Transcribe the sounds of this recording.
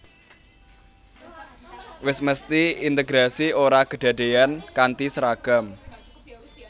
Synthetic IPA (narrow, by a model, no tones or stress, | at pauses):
wɪsməst̪iint̪eɡɾasioɾaɡ̥ə̤ɖ̥ä̤ɖ̥e̤ankant̪isəɾaɡ̥am